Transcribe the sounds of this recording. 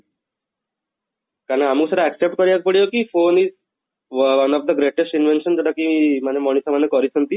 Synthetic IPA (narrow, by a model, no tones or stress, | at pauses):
kaɾnãamuːsəɾaɛksep̚ʈ̚kɔɾjak̚pəɽijokifoniːs | ʋʋənɔfd̪əɡɾeʈesʈinʋenʃənd͡zɔɽakiimanemɔɳ̃isamanːekɔɾit͡sʰənt̪i